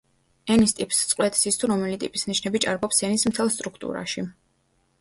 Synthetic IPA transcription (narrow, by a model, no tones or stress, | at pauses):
ɛnist̪ʼipʼst̪sʼqʼwlɛt̪ʼi̥sist̪ʰuɾɔmɛlit̪ʼḭpʼisniʃnɛbit͡ʃʼaɾbɔpsɛnismt̪ʰɛlˠst̪ʼɾukʰt̪ʼṵɾa̰ʃi